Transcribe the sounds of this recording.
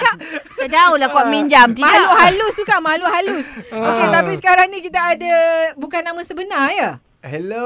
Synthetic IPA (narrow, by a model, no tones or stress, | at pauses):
kaʔ | adaulakuaʔ̚miɲd͡ʒamt̪imaluɦalʊst̪ukaʔmaluɦalʊsoket̪apisə̥kaɾaŋnĩkit̪aʔːdabukanːamãsəbənarja | hɛl